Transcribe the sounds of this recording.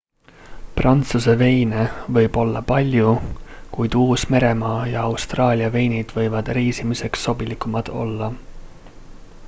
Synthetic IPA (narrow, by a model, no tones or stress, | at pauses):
prɑnt̪suse̞ve̞jne̞vɤ̞jb̥o̞lːɑpɑlʲjukujd̪̥uːsme̞ɾe̞mɑːjɑɑwst̪rɑːlʲiɑve̞jnid̪̥vɤ̞jvɑd̪̥riːsimise̞ksːo̞bilikːˑumɑd̪̥o̞̰lːɑ